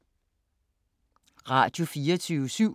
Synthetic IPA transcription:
ʁɑ̈d̥jo̝fiːɐt͡sʰyːəsyʊ̰

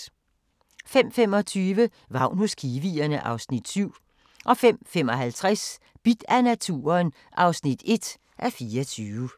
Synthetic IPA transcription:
fem̰fem̰ɒ̽t͡sʰyːʋə | ʋɑ̈ʊ̰nhoskʰiːʋiːɐnəʔɑ̈ʊsnid̥syʊ̰ | ʔɒ̽fem̰femɒ̽ɦælt͡sʰʁas | b̥id̥ænæt͡sʰṵːɐn | ʔɑ̈ʊsnid̥e̝d̥ | ʔæfiːɐt͡sʰyːʋə

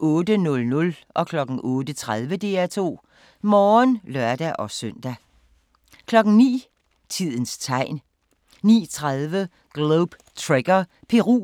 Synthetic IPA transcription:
ʔɔ̽ːd̥ənɔ̽lnɔ̽lʔɒ̽kʰlɒ̽ɡ̥n̩ʔɔːd̥ət͡sʰʁað̞ˠʋəd̥e̝æt͡sʰo̝̰ː | mɒːnlɶɐd̥æʔɒ̽sœn̰d̥æ | kʰlɒ̽ɡ̥n̩ŋ̩nḭː | t͡sʰið̞̰ˠən̩st͡sʰɑ̈ɪ̰n | nḭːt͡sʰʁaðˠʋə | ɡ̥loʊb̥ | t͡sʰʁeɡ̥ɐ | pʰe̝ʁṵː

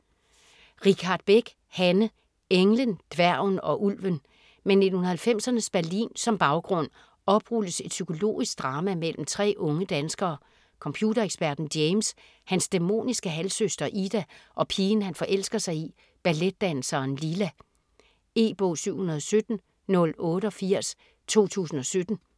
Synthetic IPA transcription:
ʁikʰɑ̈d̥̚b̥eɡ̥ | hænə | eŋlənd̥ʋæɐ̰ʊnɒ̽ʔulʋən | mene̝d̥hunɐhælfem̰sɐnəsb̥æɐlḭːnsɒ̽mb̥ɑ̈ʊɡ̥ʁɔ̽n̰ | ɒ̽b̥ʁuləse̝d̥sykʰo̝lo̝̰ːisɡ̥̚d̥ʁɑ̈ːmæmel̰m̩t͡sʰʁɛ̰ːʔɔ̽ŋəd̥ænsɡ̥ɐː | kʰɒ̽mpʰjuːdɐeɡ̥sb̥æɐ̰d̥n̩d̥eɪms | hænsd̥emo̝̰ːnisɡ̥əɦælsøsd̥ɐʔid̥æʔɒ̽pʰiːn̩hænfɒ̽ʔel̰sɡ̥ɐsɑ̈ɪi | b̥æled̥̚ːænl̩sɐːnlilæ | e̝ːb̥ɔ̰̽ːsyʊ̰hunɐðˠɒsød̥n̩ | nɔ̽lɔ̽ːɾəɒ̽fiɐ̰s | t͡sʰo̝̰ːt͡sʰṵːsn̩ɒ̽sød̥n̩

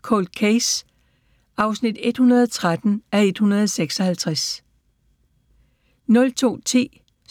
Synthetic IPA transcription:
kʰɔ̰ld̥̚kʰes | ʔɑ̈ʊsnid̥e̝d̥hunɐð̞ˠɒt͡sʰʁad̥n̩æe̝d̥hunɐð̞ˠɒseɡ̥sɒ̽hælt͡sʰʁas | nɔ̽lt͡sʰo̝̰ːt͡sʰḭː

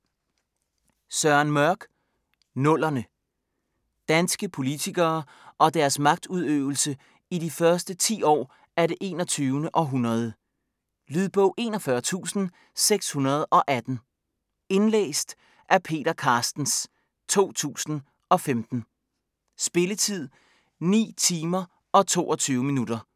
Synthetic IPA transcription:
sɶɐnmɶɐɡ̥ | nɔ̽l̰ɐnə | d̥ænsɡ̥əpʰo̝lit͡sʰiɡ̥ɐː | ʔɒ̽d̥æɐsmɑ̈ɡ̥̚d̥uðˠøʊl̩sə | idifɶɐsd̥ət͡sʰḭːɒ̰ː | æɐɾe̝ʔe̝ːnɒt͡sʰyːʊnəʔɒ̽ɦunɐð̞ˠə | lyðˠb̥ɔʊʔe̝ːnɒfɶɐt͡sʰṵːsn̩ | seɡ̥shunɐð̞̩ˠʔɒ̽ʔæd̥n̩ | e̝nlḛːsd̥ | ʔæɐpʰe̝̰ːɾɐkʰɑ̈ːsd̥n̩s | t͡sʰo̝̰ːt͡sʰṵːsn̩ | ʔɒ̽femd̥n̩ | sb̥e̝lət͡sʰið̞̰ˠ | nḭːt͡sʰiːmɐ | ʔɒ̽t͡sʰo̝̰ːʔɒ̽t͡sʰyːʊminud̥ɐ

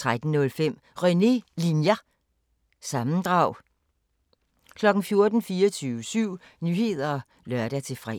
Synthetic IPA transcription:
t͡sʰʁad̥n̩nɔ̽lfem̰ | ʁœnelinjæ | sɑ̈mn̩d̥ʁɑ̈ʊ̰ | kʰlɒ̽ɡ̥n̩fjo̝ɐd̥n̩fiːɒt͡sʰyːʊəsyʊ̰ | nyhe̝ð̰ˠɐɒ | lɶɐɾ̥æt͡sʰe̝fʁɛ̰

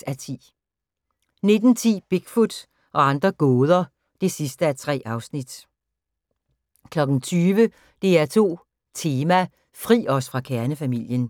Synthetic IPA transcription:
æt͡sʰḭː | ne̝d̥n̩t͡sʰḭːb̥e̝ɡ̥fud̥ | ʔɒ̽ɑ̈nd̥ʁɐɡ̥ɔːð̞ˠɐ | d̥e̝sisd̥əæt͡sʰʁɛ̰ːʔɑ̈ʊsnid̥ | kʰlɒ̽ɡ̥n̩t͡sʰyːʋə | d̥e̝æɐt͡sʰo̝̰ː | t͡sʰe̝ːmæ | fʁḭːɒ̽sfʁɑ̈kʰæɐnəfæmil̰jən

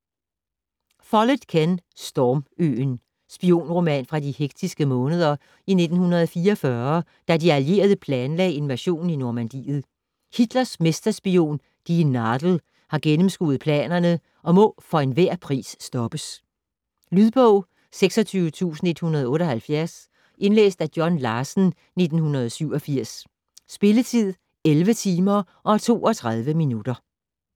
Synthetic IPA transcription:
fɒ̽ləðˠkʰænsd̥ɒːmø̰ːn | sb̥io̝̰ːnʁo̝mɛnfʁɑ̈diheɡ̥̚d̥ʰisɡ̥əmɔ̽ːnəð̞ˠɐ | ine̝d̥n̩hunɐð̞ˠɒfiːɒfɶɐ | d̥ædiælje̝̰ːɐð̞ˠəpʰlɛːnlɛ̰ɪe̝nmæɕo̝̰ːninoɐmænd̥ḭːð̞̩ˠ | hid̥lɐsme̝sd̥ɐsb̥io̝̰ːn | d̥inɑd̥l̩ | hɑ̈ɡ̥enəmsɡ̥ṵːð̩ˠpʰlɛ̰ːnɐnə | ʔɒ̽mɔ̽fɒ̽e̝nʋæɐ̰pʰʁḭːsːd̥ɒ̽b̥əs | lyðˠb̥ɔʊ̰ | seɡ̥sɒ̽t͡sʰyːʊət͡sʰṵːsn̩e̝d̥hunɐð̞ˠɔ̽ːɾ̥ɒ̽hælfjæɐs | ʔe̝nlḛːsd̥æd̥jɒ̽nlɑ̈ːsn̩ | ne̝d̥n̩hunɐð̞ˠɒsyʊ̰ɒ̽fiɐ̰sː | b̥e̝lət͡sʰið̞̰ˠ | elʋət͡sʰiːmɐʔɒ̽æt͡sʰo̝̰ːɒt͡sʰʁað̞ˠʋəminud̥ɐ

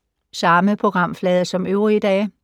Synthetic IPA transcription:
sɑ̈məpʰʁo̝ɡ̥ʁɑ̈m̰flɛːð̞ˠsɒ̽møʊʁid̥ɛ̰ː

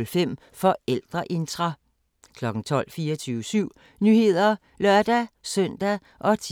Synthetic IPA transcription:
lfem̰ | fɒ̽el̰d̥ʁɐʔe̝nd̥ʁɑ | kʰlɒ̽ɡ̥n̩t͡sʰɒ̽l̰fiːɐɒt͡sʰyːʊəsyʊ̰ | nyhe̝ð̞̰ˠɐ | lɶɐ̰d̥æsœn̰d̥æ | ʔɒ̽t͡sʰ

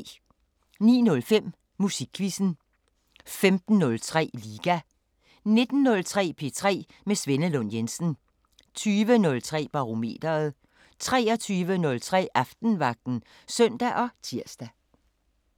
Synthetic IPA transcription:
nḭːnɔ̽lfem̰ | musiɡ̥ʰʋisn̩ | femd̥n̩ːɔ̽lt͡sʰʁɛ̰ːliːɡ̥æ | ne̝d̥n̩ːɔ̽lt͡sʰʁɛ̰ːpʰe̝t͡sʰʁɛ̰ː | mesʋenəlɔnjensn̩ | t͡sʰyːʋənɔ̽lt͡sʰʁɛ̰ːb̥ɑ̈ʁome̝̰ːd̥ɐð̞̩ˠ | t͡sʰʁɛːɒt͡sʰyːʋənɔ̽lt͡sʰʁɛ̰ːʔɑfd̥n̩ʋɑ̈ɡ̥̚d̥n̩ | sœn̰d̥æʔɒ̽t͡sʰiɐ̰sd̥æ

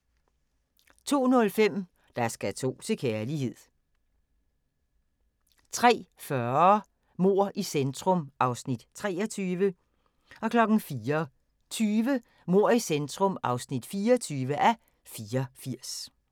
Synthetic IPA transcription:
t͡sʰo̝̰ːnɔ̽lfem̰ | d̥ɑ̈sɡ̥æt͡sʰo̝̰ːt͡sʰe̝kʰeɐliɦe̝ð̰ˠ | t͡sʰʁɛ̰ːfɶɐ | mo̝ɐ̰ʔisend̥ʁɔmʔɑ̈ʊsnid̥t͡sʰʁɛːɒt͡sʰyːʋə | ɒ̽kʰlɒ̽ɡ̥n̩fiːɐ | t͡sʰyːʋə | mo̝ːɐ̰isend̥ʁɔ̽mɑ̈ʊsnid̥fiːɒt͡sʰyːʋəʔæ | fiːɐfiɐ̰s

